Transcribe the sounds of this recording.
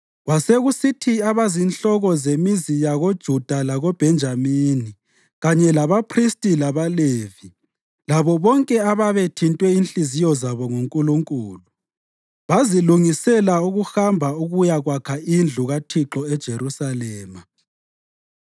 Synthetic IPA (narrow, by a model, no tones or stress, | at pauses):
ɣwaseɣusitʰiaβazinɬɔɣɔzemizijaɣod̥ʒ̥ʱud̥ʱalaɣob̥ʱɛnd͡ʒʱamini | ɣaɲɛlaβapʰristʼilaβaleːvi | laβɔβɔŋkʼɛaβaβetʰintʼwɛinɬʼizijɔzaβɔŋuŋkʼuluŋkʼuːlu | βaziluŋisɛlauɣuxambʱauɣujaɣwakʰaind͡ɮʱuɣatʰiǁɔɛd̥ʒ̥ʱerusalɛːma